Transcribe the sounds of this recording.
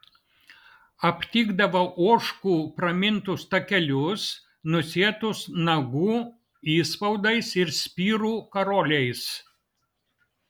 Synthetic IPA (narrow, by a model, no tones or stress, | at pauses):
ɐpʲt̪ʲiːɡd̪ɐʋɐʔoɔʃkuːpɾɐmʲɪnt̪ʊst̪ɐkʲɛlʲʊs | nʊsʲiɛt̪ʊsnɐɡuː | iːspɐʊd̪ɐɪsɪɾsʲpʲiːɾuːkɐɾoːlʲɛɪs